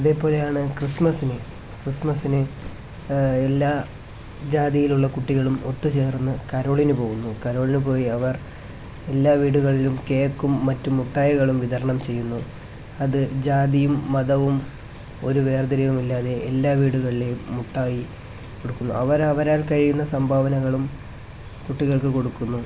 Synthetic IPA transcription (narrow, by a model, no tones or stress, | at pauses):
ɐðe̞ːpo̞ːle̞jaːɳɨkrismɐsinɨ | krismɐsinɨ | elːaː | d͡ʑaːðijiluɭːɐkuʈːiɣɐɭumo̞t̪ːɨt͡ɕe̞ːrunːɨkɐɾo̞ːɭinupo̞ːɣunːukɐɾo̞ːɭinɨpo̞ːjiɐʋɐr | e̞lːaːʋiːɽuɣɐɭilumke̞ːkːumːɐtːumːuʈːaːjiɣɐɭumʋiðɐɾɐɳɐmt͡ɕe̞jːunːu | ɐðɨd͡ʑaːd̪ijumːɐðɐʋum | o̞ɾuʋe̞ːrd̪iɾɐʋumilːaːðe̞ʔelːaːʋiːɽuɣɐɭile̞jːuʈːaːji | ko̞ɽukːunːuɐʋɐɾɐʋɐɾaːlkɐɻijunːɐsɐmbʱaːʋɐnɐɣɐɭum | kuʈːiɣɐɭkɨko̞ɽukːunːu